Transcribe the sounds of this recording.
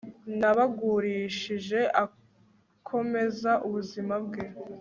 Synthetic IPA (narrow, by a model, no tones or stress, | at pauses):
naβaɡuɾiːʃiʒe̞ʔa | kʰo̞me̞zaʔuβuzimabɡe̞